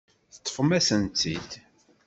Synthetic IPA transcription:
θə̥t̪ˤːfəmæsənt͡s̪ːḭd̪

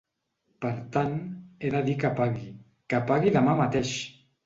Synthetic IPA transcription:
pəɾt̪aneðaðikəpaɣi | kəpaɣiðəmamat̪eʃ

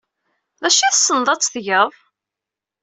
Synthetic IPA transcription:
ðæʃiθsːənðˤɑt͡sːθʝəðˤ

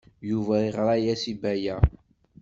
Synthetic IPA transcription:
juvæɾiʁɾˤæjæsibæjæ

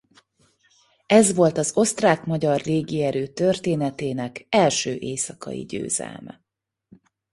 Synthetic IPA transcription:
ɛzʋo̞lt̪ɒzo̞st̪raːkmɒɟɒrleːɡiɛɾøːt̪ørt̪eːnɛt̪eːnɛkɛlʃøːʔeːsɒkɒ̰ḭɟø̰ːzɛ̰lmɛ̰

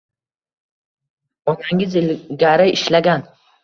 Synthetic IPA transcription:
ɒnaŋɪzɪlɡʲaɾɪɪʃlaɡʲan

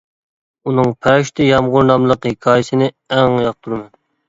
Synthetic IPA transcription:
unɨŋpʰæʃt̪ʰɪjɑmʁʊɾnɑmlˠəqhɪkʲʰɑːjɪsɪnɪ | ɛŋjɑq̚t̪ʰuɾɨmɛn

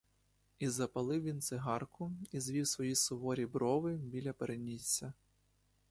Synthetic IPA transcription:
izɐpɐlˠɪwʋʲint̪sɪɦɑrkʊizʋʲiwsʋɔjisʊʋɔɾʲibɾɔʋɪbʲilʲɐpeɾʔenʲit͡sʲːɐ

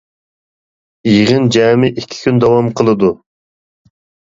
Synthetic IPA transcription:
jʁɨnd͡ʒɛːmɪʔikʲʰi̥kʲʰynd̪ɑwɑmqʰəlˠɨd̪u

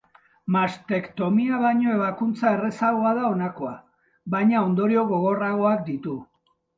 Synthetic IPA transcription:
mast̪e̞kt̪o̞miaβajɲo̞e̞βakunt͡sae̞re̞saɣo̞að̞ao̞nako̞a | βajɲao̞nd̪o̞ɾio̞ɣo̞ɣ̞o̞raɣ̞o̞ak̚d̪it̪u

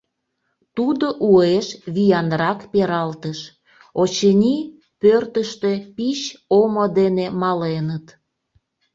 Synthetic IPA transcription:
t̪ud̪oʔueʃβijɑnrɑkpeɾɑlt̪əʃ | ot͡ɕənʲi | pørt̪əʃt̪epiɕomod̪enemɑlenət̪

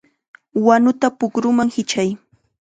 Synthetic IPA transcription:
wanʊt̪apʊkɾʊmaŋhɪt͡ʃaj

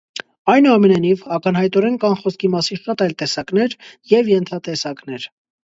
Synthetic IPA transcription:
ɑjnuɑmɛnɑjnivɑkənhɑjt̪ɔɾɛnkɑnχɔskimɑsinʃɑt̪ɑjlt̪ɛsɑkn̪ɛɾjɛvjɛnt̪ʰɑt̪ɛsɑkn̪ɛɾ

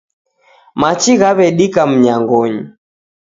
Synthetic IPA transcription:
mat͡ʃiɣaβɛɗikam̩ɲaŋɡɔɲi

